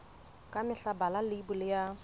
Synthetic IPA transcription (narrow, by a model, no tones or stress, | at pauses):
kʼamɪɬabalalɪibʊlɪja